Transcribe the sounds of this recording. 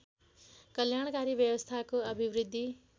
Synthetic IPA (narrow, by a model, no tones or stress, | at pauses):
kʌljaɽ̃kaɾibjʌwʌst̪ʰakoʌbʱiwɾid̪ʱːi